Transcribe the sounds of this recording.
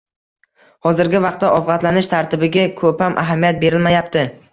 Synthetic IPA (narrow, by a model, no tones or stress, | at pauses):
hɒzɪɾɡʲɪvɑqt̪ːaʔɒfʁɑt̪lanɪʃt̪ʰaɾt̪ʰɪbɪɡʲakʰɵpamʔa̰ɦamijat̪̚be̞ɾɪlmajapt̪ʰɪ